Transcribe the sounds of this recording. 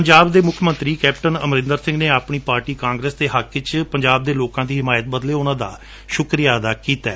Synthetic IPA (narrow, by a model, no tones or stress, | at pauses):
pəɲd͡ʒaːbd̪eːmʊkʰmə̃nt̪ɾiːkɛːpʈənəmɾɪ̃nd̪əɾsɪ̃ŋɡneːaːpɳiːpaːɾʈiːkãːŋɡɾeːsd̪eːɦakːɪt͡ʃpəɲd͡ʒaːb̚d̪eːloːkãːd̪iːɦɪmaːjət̪̚bəd̪leːʊnãːd̪a̰ː | ʃʊkɾijaːəd̪aːkiːt̪aː